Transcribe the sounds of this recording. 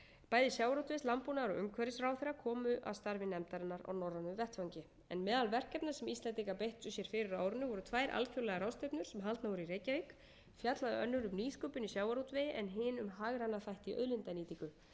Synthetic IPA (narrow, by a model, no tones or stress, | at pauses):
paːjðɪsjawaɾuwt̪vɪslampunaɾɔ̰ɣʏ̰ŋkʰvɛɾɪsrawθɛrːakʰɔːmʏʔa̰wst̪aɾvɪnɛmt̪aɾɪnːaɾa̰wnɔrːanʏmvɛht̪fawɲcɪ | ɛ̰nmɛːðalvɛr̥kɛpnḁsɛmist̪lɛnt̪ikapejht̪sʏsjɛɾ̥fɪɾɪɾaːwɾʏnʏvɔɾʏt̪ʰvaːjɾʔa̰lcʰowlɛɣaɾawst̪ejpnʏɾ̥sɛmɦalt̪navɔɾʏireːjcavik | fjat̪laðʏ̰œnːʏɾʏmniːskʏpʏnisjaːwaɾuwt̪vɪjɪʔɛnɦɪːnʏmɦaɣɾanːaθajht̪iʔœ̰ðlɪnt̪aniːt̪ikʏ